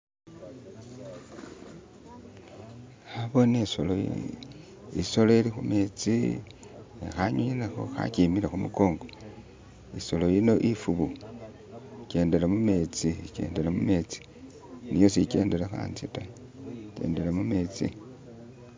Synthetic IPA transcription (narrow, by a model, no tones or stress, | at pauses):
aβo̞nesolo | iso̞loelixume̞ːt͡si | ḛxaɲuɲinaxo̞̰xa̰cimiɾaxumuko̞ːŋɡo | iso̞lo̞jino̞ʔifuβu | ice̞ːnde̞lamume̞t͡siice̞̰ːnde̞lamume̞t͡si̥ | nijo̞sice̞̰ːndelaxa̰ːnt͡sita | ce̞̰ːndelamumeːt͡sḭ